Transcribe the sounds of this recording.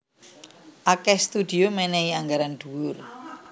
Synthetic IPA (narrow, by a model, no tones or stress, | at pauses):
ʔakɛst̪ud̪̥i̤omɛnɛiaŋɡaɾand̪̥ṳwʊr